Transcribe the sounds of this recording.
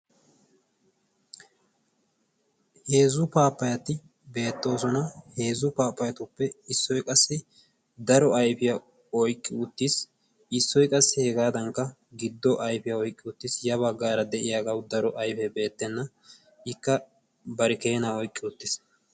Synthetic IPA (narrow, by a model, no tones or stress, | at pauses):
he̞ːzʊpaːpːɐjɐt̪ɪ | be̞ːt̪ːo̞ːsɔnɐhe̞ːzʊpaːpːɐjɐt̪ʊpːɛɪsːɔjkʼɐsːɪ | d̪ɐɾɔɐjfɪjɐ | ɔjkʼːɪʊt̪ːɪs | ɪsːɔjkʼɐsːɪhɛɡaːd̪ɐŋkːɐ | ɡɪd̪ːɔʔɐjfɪjɐɔjkʼːɪʊt̪ːɪsjɐβɐɡaːɾɐd̪ɛʔɪjaːɡɐwd̪ɐɾɔʔɐjfɛbe̞ːt̪ːɛnːɐ | ɪkːɐ | bɐɾɛke̞ːnaːɔjkʼːɪʊt̪ːɪs